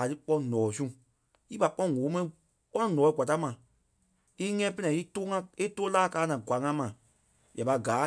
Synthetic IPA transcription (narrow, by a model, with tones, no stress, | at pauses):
a˨ɾɨ˦k͡pɔ̃˧nɔ̃ː˨sũ˦˨ | i˦pa˨k͡pɔ̃˦˨ŋo˨˦mɛ̃˧ĩ˨ | k͡pɔ˦nɔ̃˦nɔ̃ː˨˦i˦ɡʷa˨ta˦mã˨ | i˦ŋɛ̃ː˦pɛ˦nɛ̃˨˦i˦toː˦ŋã˦e˦toː˦laː˦˨kaː˨˦nã˨ɡwa˨˦ŋã˧˦mã˨ | ja˨ɓa˧ɡaː˨˦